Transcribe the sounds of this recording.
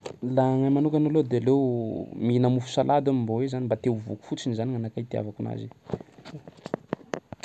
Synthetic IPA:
laŋajmanukʲanalod̪ealewminamufu̥salad̪amimbowezanimbat̪ewvuku̥fut͡sinizaniŋanakait̪ea̰vakuna̰zḭ

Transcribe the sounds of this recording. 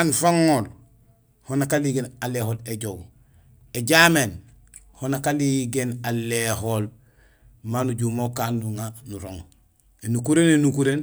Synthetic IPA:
anfaŋːoːl | honakaliːɡeːnaleholeɟoɡ | eɟamen | honakaliɡenalehol | manuɟumokaːnːuŋanuɾo̰ŋ | enukuɾenenukuɾen

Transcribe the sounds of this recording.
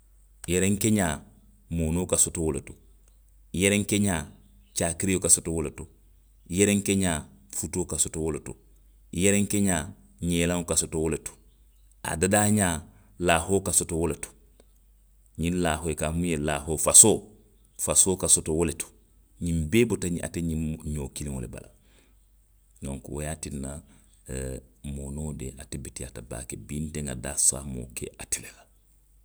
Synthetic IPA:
jeɾeŋkeɲaː | moːnoːkasotowoleto̥ | jeɾeŋkeɲaː | t͡ʃaːkiɾjokasotowoleto | jeɾeŋkeɲaːfutoːkasotowoleto | jeɾeŋkeɲaː | ɲeːlãŋkasotowoleto̥ | a̰dadaːɲaː | laːhoːkasotowoleto̥ | ɲĩnlaːɦojekaːmũjelaːhoːfasoː | fasoːkasotowoletu̥ | ɲimbeːbotaɲia̰teɲĩɲoːkilĩŋoleba̰la̰ | nõŋkṵwojaːtinːa | moːnoːdḛʔatibetiataba̰ːkebinteŋa̰daːsa̰ːmo̰ːkḛatilela

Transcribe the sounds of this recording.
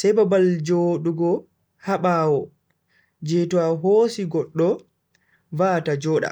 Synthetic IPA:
sɛjbabald͡ʒoːɗuɡɔ | haɓaːwɔ | d͡ʒɛtɔaɦoːsiɡɔɗːɔ | vaːtad͡ʒɔːɗa̰

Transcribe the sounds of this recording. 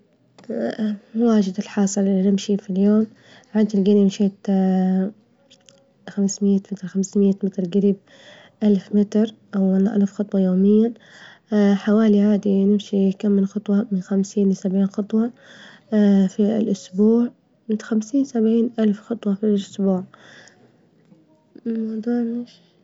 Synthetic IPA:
waːd͡ʒɪd̪ɪlħɑːsˤɨlʔɪinɪmʃifiljoːm | ʕaːd̪ilɡaːnɪmʃeːt̪ | xamsmɪjamɪt̪ɾxamsmɪjːamɪt̪ɾɡaɾiːb̚ | ʔalfmɪt̪ɾʔawanʔa̰lfxɑt̪ˤwɑjoːmɪjːa | ħawaːliʕaːd̪inɪmʃikamːɪnxɑt̪ˤwɑmɪnxamsiːnwɪsabʕiːnxɑt̪ˤwɑ | fḭlʔʊsbuːʕ | mɪt̪xamsiːnsabʕiːnʔalfxɑt̪ˤwɑfilʔʊsbuːʕ | mɑwd̪ˤuːʕmɪʃ

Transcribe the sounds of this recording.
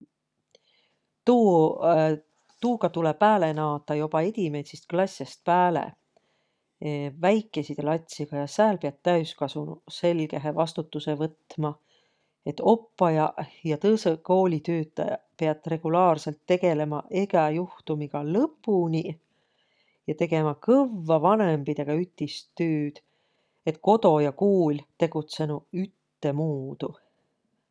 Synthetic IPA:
t̪uː | t̪uːɡɑt̪ulepæːle̞nɑːt̪ˑːɑjo̞pɑe̞d̪ʲime̞jt̪sist̪klɑsʲːest̪̚pæːlḛ | væjkːˑe̞sit̪elɑt̪ʲsiɡ̥ɑjɑsæːlpeɑt̪t̪ːæyskɑsunuse̞lɡe̞ɦevɑst̪ut̪ːuse̞vɤt̪ːˑmɑ | e̞t̪ːo̞pːɑjɑjɑt̪ɤseko̞ːlʲit̪øːt̪ːˑɑ̰jɑ̰pe̞ɑt̪ːˑre̞ɡ̥ulɑːrse̞lt̪ːe̞ɡe̞le̞mɑʔe̞ɡɑjuht̪umiɡ̥ɑlɤpːˑunʲi | jɑt̪e̞ɡe̞mɑkɤvːɑvɑne̞mbid̪̥e̞ɡ̥ɑyt̪ːˑist̪ːøːd̪̥ | e̞t̪ˑko̞d̪o̞jɑkuːlʲt̪e̞ɡ̥ut̪se̞nuyt̪ːe̞muːd̪̥u

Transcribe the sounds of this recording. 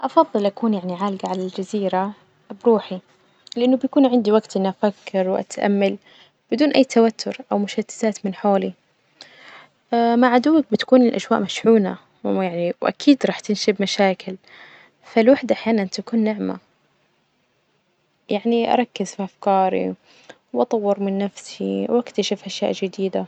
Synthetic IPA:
ʔɑfɑðˤːɨlʔakuːnjaʕniʕaːlɡaʕalald͡ʒaziːɾa | bɾuːħi | lɪʔɪnːʊbjakuːnʕɪnd̪iwaɡt̪ʔɪnːʔafakːɪɾwʔa̰t̪ʔa̰mːal | b̥ɪd̪uːnʔajːt̪ʰawat̪ʰːʊɾʔawmʊʃat̪ːɪ̥θaːt̪mɪnħoːli | maʕad̪uwːak̚bɪt̪ḁkuːnɪlʔaʃwaːʔmaʃʕuːna | jaʕniwʔa̰kʰiːd̪ɾˤɑːħt̪ɪnʃɪbmaʃaːkɪl | falwaħd̪aʔaħjaːnant̪akuːnːɪʕma̰ | jaʕniʔɑ̰ɾˤɑkːɪzfiʔafkɑːɾḭ | wʔɑt̪ˤɑwːɪɾmɪnːafsiwʔakt̪aʃɪfʔaʃja̰ːʔd͡ʒɪd̪iːd̪a

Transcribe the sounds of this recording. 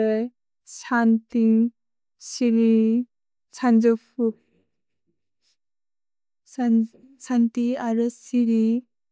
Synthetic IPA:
santi | siɾi | sand͡ʒɔpʰu | sant̪iaɾɯsiɾi

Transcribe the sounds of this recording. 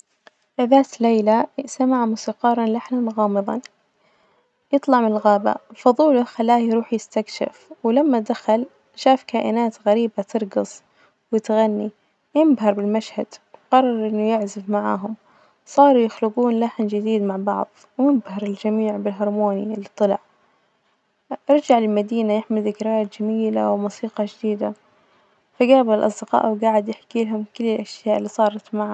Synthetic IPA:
ɪðaːt̪lejlasamaʕamʊsiːqɑːɾˤɑnlaħnanɣɑːmɨðˤɑ̰n | jɨt̪ˤlɑʕmlɣaːba̰fʊðˤuːlʊxalːaːjɾuːħjɪst̪akʃɪ̰fwlamːad̪axal | ʃaːfkaːʔɪ̰naːt̪ɣaɾiːbat̪ʰɨɾˤɡɑsˤ | wjɪt̪ɣanːi | jɪmbɦɑɾˤbɪlmaʃhad̪̥wqɑrˤːɑɾˤʔɪnːujɪʕzɪfmaʕa̰ːɦʊm | sˤɑːɾˤujɪxlɪɡuːnlaħnd͡ʒɪd̪iːd̪maʕbɑʕðˤwjɪmbhɑɾˤɪld͡ʒamiːʕbɪlɦɑɾˤmoːnilːit̪ˤːɨlɑ̰ʕ | ʔɑɾˤd͡ʒaʕlɪlmad̪iːnajɪħmɪlðɪkɾɪaːt̪d͡ʒamiːla̰wmuːsiːqɑd͡ʒd̪iːd̪a | faɡaːblʔɑ̰sˤd̪ɪqɑ̰ːʔwɡaːʕɪd̪jɪħkiːlɦʊmkɪlːɪlʔaʃjaːʔɪlːiːsˤɑːɾˤɑt̪maʕa

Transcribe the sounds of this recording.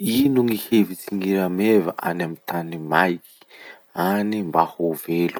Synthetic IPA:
inuŋihevit͡siŋiɾamevaʔa̰namit̪animajki̥ | animbahovelu̥

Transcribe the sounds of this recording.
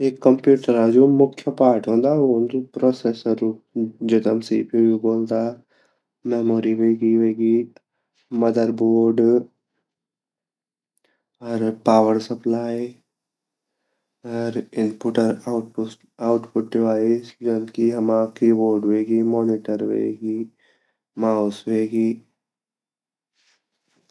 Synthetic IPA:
eːkːəmpjuːʈəɾad͡ʒoːmʊkʰjəpaːɾʈɦõːnd̪aɦõnd̪opɾɔːseːsəɾuːd͡ʒɪt̪əmsiːpibiboːld̪aː | mɛmoːɾiɦeɡiɦeɡi | mɐd̪əɾboːɾɖ | ɔɾpaːʋəɾsɐplaːj | ɐɾɪnpuʈɐɾʈp | awʈpuʈːeʋaːjisuɖɐnt̪kiɦɐmaːkiboːɖʋeːɡimɔːniʈɐɾʋḛːɡi | maːusʋeːɡi

